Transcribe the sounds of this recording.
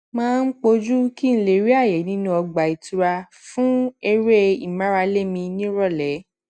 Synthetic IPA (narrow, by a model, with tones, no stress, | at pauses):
mãː˦˧n̩˦k͡po˧d͡ʒu˦ki˦ñ̩˧le˨ɾi˦a˦˨je˨˦nĩ˦nũ˧˦ɔ˧ɡ͡ba˨i˨tu˨˧ɾa˧ | fũ˦e˧ɾe˦i˨mã˦ɾa˧le˦˨mĩ˧nĩ˦ɾɔ˦˨lɛ˨˦